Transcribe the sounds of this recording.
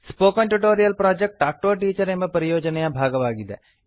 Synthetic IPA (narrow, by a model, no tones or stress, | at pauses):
spoːkɐ̃ɳʈuʈoːɾijɐlpɾaːd͡ʒek̚ʈʈaːk̚ʈoːʈiːt͡ʃɐɾemɐpɐɾijoːd͡ʒɐnejãbʱaːɡɐʋaːɡid̪ɛ̰